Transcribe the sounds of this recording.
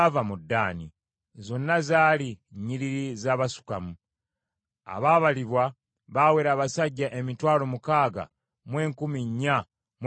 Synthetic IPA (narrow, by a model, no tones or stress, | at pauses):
vamudːaːnḭ | zo̞nːazaːliɲiɾiɾizaːβasu̥kamu | a̰βaːβaliβwa | βaweːɾaːβasaɟːaʔe̞mitwaːlo̞mukaːɡa̰ | mwe̞ːŋkumiɲːa | m